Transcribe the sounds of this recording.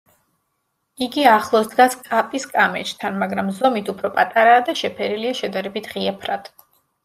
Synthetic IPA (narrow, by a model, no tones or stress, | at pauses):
iɡiaχlˠɔsd̪ɡaskʼapʼiskʼamɛt͡ʃʰʼt̪ʰanmaɡɾamzɔmit̪ʰupʰɾɔpʼat̪ʼaɾaːd̪aʃɛpʰɛɾiliaʃɛd̪aɾɛbit̪ʰʁiapʰɾad̪̥